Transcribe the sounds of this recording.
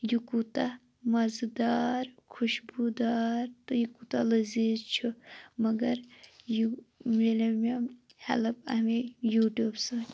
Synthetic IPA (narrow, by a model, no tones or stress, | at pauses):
jukut̪a | mɐzd̪aːɾkʰuʃbud̪aːɾt̪ojukut̪alɨzizt͡ʃʰumɐɡɐɾjumelɐma | hɐ̰lɐbɐ̰hmejuːʈuːbsɐ